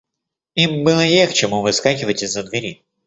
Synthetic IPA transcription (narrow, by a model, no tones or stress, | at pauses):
imbɨlˠəjext͡ɕɪmuvɨskakʲɪvətʲɪzːəd̪vʲɪɾʲi